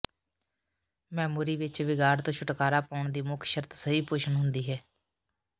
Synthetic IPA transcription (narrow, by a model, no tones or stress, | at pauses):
mɛːmuːɾiːʋɪt͡ʃʋɪɡaːɾt̪õːʃʰʊʈkaːɾaːpaːʊɳd̪iːmʊkʰʃəɾt̪səiːpoːʃənɦʊnd̪iːɦɛː